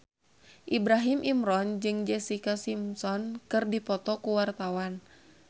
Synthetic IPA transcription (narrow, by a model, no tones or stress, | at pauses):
ʔibɾaɦimʔimɾɔnd͡ʒɨŋd͡ʒɛsikasimsɔnkɨrdipɔt̪ɔkuwart̪awan